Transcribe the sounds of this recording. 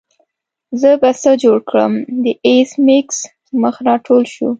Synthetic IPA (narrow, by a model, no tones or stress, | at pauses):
zəbasəd͡ʒoɽkɽə̰md̪əʔesmɪks | məxnɑʈʰolʃṵ